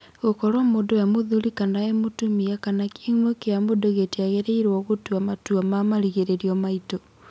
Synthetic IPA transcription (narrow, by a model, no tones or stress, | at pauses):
ɣokɔɾwamodojamoðulikanaemotumiakanakiiŋwekeamodoɣetiaɣeɾeiɾwɔɣotuamatuamamaɾiɣeɾeɾiɔmaito